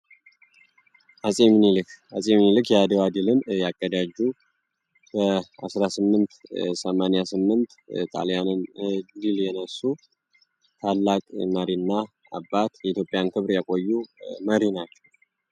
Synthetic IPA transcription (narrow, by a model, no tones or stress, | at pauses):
hasʼemnilɨkhasʼemnilɨkjɛad̪əwad̪ɨlɨmjakʼːəd̪ad͡ʒːu | kʰəasɾasɨmːɨnt̪səmanjasɨmːɨnt̪t̪ʼa̰ljanɨnd̪iljɛnəsːu | t̪ʰalːakʼməɾinːa | a̰bːat̪jɛit̪ʰjopʼːjankʰɨβɾjakʼo̞jːuməɾinat͡ʃːɛw